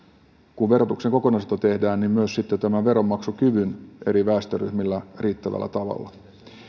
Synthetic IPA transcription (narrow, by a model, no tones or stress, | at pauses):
kuʋʋe̞ɾo̞t̪ukse̞ŋko̞ko̞nɑst̪ɑt̪e̞hdæːnnimmyøssit̪ːet̪æmæʋe̞ɾo̞mːɑksukyʋynʔe̞ɾiʋæːst̪øryhmilːæriːt̪ːæʋæ̰lːæ̰t̪ɑʋɑ̰lːɑ